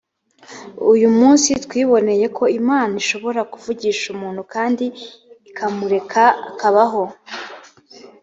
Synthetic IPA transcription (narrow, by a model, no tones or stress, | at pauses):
ujumuːnsitwiːβo̞ne̞je̞kʰo̞imaːnaiʃo̞βo̞ɾakuvuɟiːʃumuːnhukaːndiː | kʰamuɾe̞kʰa̰ːkaβaɦo̞